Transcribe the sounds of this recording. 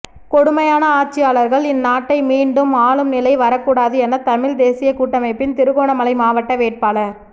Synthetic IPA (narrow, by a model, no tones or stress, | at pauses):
kɔɽʊmɐjaːnɐaːʈ̚t͡ʃːɪjaːlɐɾɣɐɭɪnːaːʈːɐɪmiːɳɖɯmaːɭɯmnɪlɐɪʋɐɾɐkːuːɽaːðɯɛnːɐt̪ɐmɪɻd̪eːsɪjɐkuːʈːɐmɐɪpːɪnt̪ɪɾɯɣoːɳɐmɐlɐɪmaːʋɐʈːɐʋeːʈ̚paːlɐɾ